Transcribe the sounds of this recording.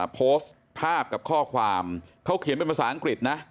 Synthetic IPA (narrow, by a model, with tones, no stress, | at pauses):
pʰoː˦˥s | pʰaː˥˩p̚ka˨˩p̚kʰɔː˥˩kʰwaː˧mkʰa˦˥wkʰi˨˩˦npe˧npʰa˧˩saː˩˦ʔa˧ŋkɾi˨˩t̪̚na˦˥ʔ